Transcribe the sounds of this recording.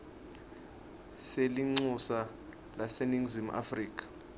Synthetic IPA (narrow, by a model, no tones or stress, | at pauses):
seliŋ͡ǀusa | laseniŋzimuʔa̰friːk̬ʰʼḁ